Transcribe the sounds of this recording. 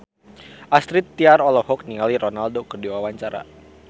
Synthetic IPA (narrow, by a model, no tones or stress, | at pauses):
ʔast̪ɾit̪ːiaɾɔlɔhɔk̚niŋalironaldokərdiwawaɲt͡ʃaɾa̰